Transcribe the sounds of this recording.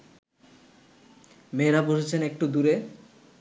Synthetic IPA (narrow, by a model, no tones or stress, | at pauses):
meɾapoʃet͡ɕʰenek̚ʈud̪uɾe